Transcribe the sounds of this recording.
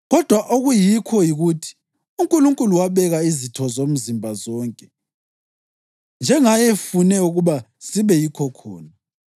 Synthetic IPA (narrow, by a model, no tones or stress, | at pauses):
ɣɔd̥ʱwaʔoɣujikʰɔjiɣutʰi̥ | uŋkʼuluŋkʼuluwaβɛɣaizitʰɔzom̩zimbʱazɔːŋkʼɛ̥ | nd͡ʒʱɛŋajɛfunɛuɣuβa | siβɛjikʰɔkʰɔ̰ːna